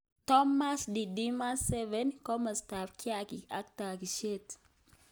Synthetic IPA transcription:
tɔ˦ma˦sdi˨di˦ma˦nssɛ˦vɛ˨˦nkɔ˦mə˨sta˨fkʰja˦ki˨a˦k̚ta˨ki˨ʃe˦t

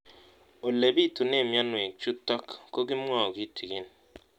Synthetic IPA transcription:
o˨le˨bi˦˨tu˨ne˦˨mja˦nwe˨t͡ʃu˦tɔ˦kko˦ɡi˦m̩˦ɔ˦˨o˨ɡi˦tʰi˨ɡi˦n

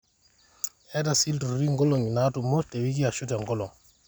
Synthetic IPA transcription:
ɛ˦da˨si˦ltu˨ɾɾi˦ŋɡɔ˦lo˨ŋi˨na˦tu˨mo˦te˨wi˦k̬i˦a˨ʃu˦tɛ˨ŋɡɔ˦lɔ˨ŋ

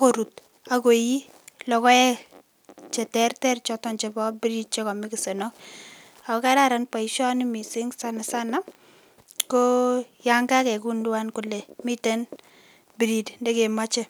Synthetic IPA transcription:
a˦ko˨ɾu˨t̚ | a˨ko˨ji˦ | lɔ˨kɔ˦ɛ˦ | t͡ʃɛ˨tɛ˦rtɛ˦rt͡ʃɔ˦tɔ˦nt͡ʃɛ˨bɔ˦bɾi˦d̚t͡ʃɛ˦kɔ˨mɪ˦kɪ˨se˨nɔ˦k̚ | a˨kɔ˨ka˦ɾa˦ɾa˦npa˨i˨ʃɔ˦nɪ˦mi˨sɪ˦ŋsa˦na˨sa˦na˦ | kɔ˦ja˦ŋɡa˦kɛ˨ku˦ndʊ˦wa˦nkʊ˨le˨mɪ˦te˦n | bɾi˨dndɛ˦ke˨ma˦t͡ʃe˦

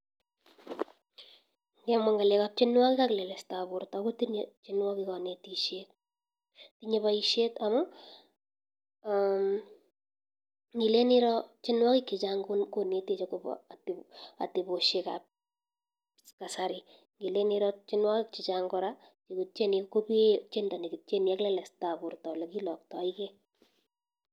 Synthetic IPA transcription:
ŋɡɛ˦ma˦ŋɡa˨lɛka˦p̚t͡ʃɪ˦nwa˦kɪ˦kaklɛ˨lɛ˨stabʊɾta˨ko˦ti˦nt͡ʃɪ˦nwa˦kika˨ne˨tiʃe˦k | tiɲe˦paiʃe˦tamʊ˦ | am | ŋɡi˨le˦nɪ˦ɾɔ˦t͡ʃɪ˦nwɔ˦kɪkːi˨t͡ʃaŋɡunkone˦te˨t͡ʃɔkopɔ̰ata̰˨ti˨boʃe˨ka̰p̚ | ka˨saɾɪ | ŋɡi˨le˦niɾɔt͡ʃɪ˦nwɔ˦kɪk̚t͡ʃi˨t͡ʃaŋɡɔɾa | t͡ʃikut͡ʃe˦nikopi˦t͡ʃe˦nda˨ni˨ki˨t̚t͡ʃe˦nia˦klɛ˦lɛ˨stapu˨ɾtɔ˨lɛkilɔ˨ktɔikɛ

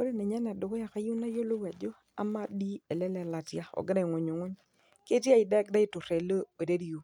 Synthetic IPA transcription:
o˦de˦˨nɛ˨ɲa˦na˨dʊ˨kɔ˦ja˨ka˨ju˦na˦jo˦lo˦wa˨d͡ʒo˦ | a̰˨ma˦di˦e˨lɛ˦lɛ˨la˨tja˦ɔ̰˨ɡɪ˦ɾa˦i˨ŋo˨ɲo˨ŋo˦ɲ | ke˦tja˦ɪ˨dɛ˦k̚da˦ɪ˦tʊ˨ɾe˨lo˦e˨de˦di˦ju˨

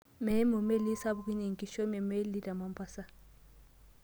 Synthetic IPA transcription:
mɛ˨˦mo˨me˦li˦sa˦bu˨ki˦ni˨ŋ˨ki˦ʃɔ˦mɛ˨me˦li˦da˨ma˨mpʰʼa˦sa˦

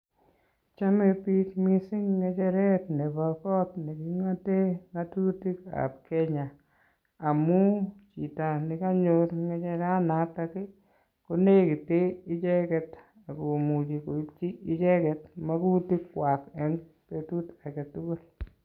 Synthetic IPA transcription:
t͡ʃa˦me˦pi˦tmi˦sɪ˦ŋːɛ˨˧t͡ʃɛ˦ɾɛ˦tne˨ba˨kɔ˦tne˨kɪ˦ŋa˦te˦ŋa˦tu˦ti˦ka̰˨p̚kɛ˦ɲa˨ | a˨mu˦t͡ʃi˨ta˨nɪ˦ka˦ɲo˦ɾŋɛ˦t͡ʃɛ˦ɾa˦na˨˦ta˦kɪ˦ | ko˦ne˦kɪ˨te˦ɪ˦t͡ʃɛ˦kɛ˨t | a˨ko˨mu˨d͡ʒi˨ko˨˦t͡ʃi˦ɪ˦t͡ʃɛ˦kɛ˨tma˦ku˦ti˦kːwa˨kɛ˦ŋ | pe˦tu˦ta˨ke˨tu˦ko˦l

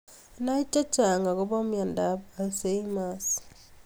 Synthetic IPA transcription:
na˦i˦t͡ʃa˦t͡ʃa˨ŋɡa˨ko˦bɔ˦mja˨nda˦pa˨se˦i˦ma˦s

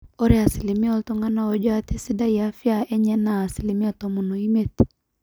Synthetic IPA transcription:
o˦ɾe˦˨a˨si˨li˨mi˦ɔ˦ltɔ˦ŋa˦na˦o˨d͡ʒɔ˦a˦te˦si˦da˦ja˨˦fja˨ɛ˦ɲɛ˦naː˨si˨li˨mi˦ɔ˦tɔ˨mu˨no˨i˦me˦t

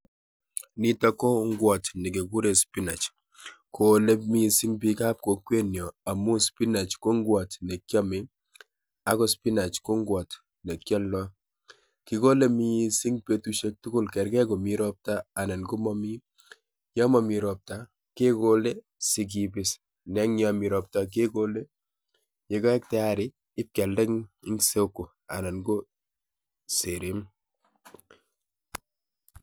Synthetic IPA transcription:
ni˦tɔ˦kɔ˦ŋɡwɔ˨tnɪ˨ke˨ɡu˦ɾe˨spi˦na˨t͡ʃ | ko˨le˦mi˦sɪ˦ŋpi˦ka˦p̚ko˨kwe˦njɔ˨a˨mu˦spi˦na˨t͡ʃko˦ŋɡwɔ˨tnɛ˨kjɔ˦mɪ˨ | a˨kɔ˨˦spi˦na˨t͡ʃko˦ŋɡwɔ˨t | nɛ˨kjɔ˦lːɔ˦ | kɪ˨ko˦le˦mi˦sɪ˦ŋpe˦tu˦ʃe˦k̚tʊ˦kʊ˦lkɛ˨ɾkɛ˦kɔ˨mi˨ɾɔ˦p̚ta˦a˨na˨nɡo˦mɔ˦mi˦ | jɔ˦mɔ˨mi˨ɾɔ˨p̚ta˨ | ke˦ko˦le˦ | sɪ˨k̬ibɪs | nɛ˦ŋɲɔ˨mi˨ɾɔ˨p̚ta˨k̬e˦ko˦le˦ | je˨ka˦ɛ˦k̚tɛ˦a˦ɾɪ˦ | ɪ˦p̚kɛ˨ldɛ˦ŋɪ˦ŋse˦kːu˨ | a̰˨na˨nɡo˦ | se˨ɾe˦m

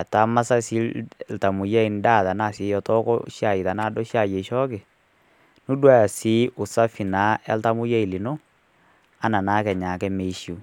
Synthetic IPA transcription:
a˨ta˨˦ma˦sa˦si˦lta˨mu˨ja˦i˨n˦da˦˨ta˨na˦˨sɪ˨˦jɔ˨tɔ˦kɔ̰˦ʃja˨i˨ta˨naː˦˨dɔ˦ʃja˨je˨ʃɔ˦kɪ˨ | nu˦dwa˦ja˨si˨˦ʊ˨sa˦fi˨naː˨˦ʔɛ̰˦lta˦mʊ˦ja˦i˨li˨no˦ | a˨˦na˨naː˦kɛ˨ɲa˨kɛ˦me˨˦ʃu˨

